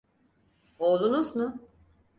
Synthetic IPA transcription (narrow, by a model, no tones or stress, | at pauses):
olˠunuzmʊ